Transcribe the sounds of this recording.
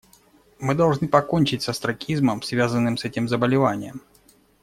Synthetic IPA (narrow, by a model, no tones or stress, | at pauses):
mɨd̪ɐlˠʐnɨpɐko̞nʲt͡ɕɪtʲsəst̪ɾɐkʲizməmsvʲazənːɨmsɛtʲɪmzəbəlʲɪvanʲɪjəm